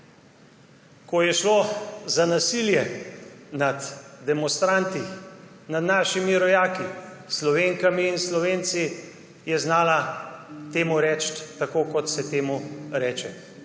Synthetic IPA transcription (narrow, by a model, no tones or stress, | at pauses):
kɔjɛʃlozanasiljɛ | nad̪d̪ɛmɔnst̪ɾant̪i | nad̪naːʃimiɾɔjaːki | slɔʋeŋkamiːnslɔʋeːnt̪si | jɛznaːlat̪eːmuɾɛːt͡ʃt̪ːakoːkɔt̪sɛt̪eːmuɾɛːt͡ʃɛ